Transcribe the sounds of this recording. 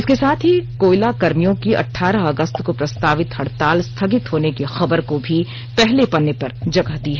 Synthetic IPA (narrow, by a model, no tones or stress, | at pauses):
ɪskesaːt̪ʰɦikoːɪlakɐɾmijõkiʔɐ̰ʈʰːaːɾəɦɐɡəst̪kopɾɐst̪aːʋɪt̪hɐɽ̤t̪aːlst̪ʰɐɡɪt̪ɦoːnekexɐbəɾkobʱi | pɛɦlepɐnːepɐɾd͡ʒɐɡəɦd̪iːɦɛː